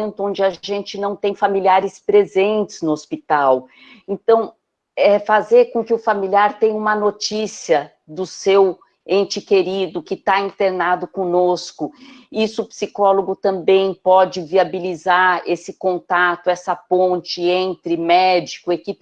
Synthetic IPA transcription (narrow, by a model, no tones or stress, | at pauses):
nt̪ʊõnd͡ʒɪaʒẽnt͡ʃɪnɐ̃w̃t̪ẽj̃familiaɾɪspɾezẽnt͡ʃɪ̥znʊospit̪aw | ẽnt̪ɐ̃w̃ | ɛfazeɾkõkɪʊfamiliaɾt̪ẽj̃ũmɐnot͡ʃisiɐ | d̪ʊsew | ẽnt͡ʃɪkeɾid̪ʊkɪt̪aĩnt̪eɾnad̪ʊkõnoskʊisʊːpsikɔloɡʊt̪ɐ̃bẽj̃pɔd͡ʒɪviabilizaɾesɪkõnt̪at̪ʊɛsɐpõt͡ʃɪẽnt̪ɾɪmɛd͡ʒikʊekip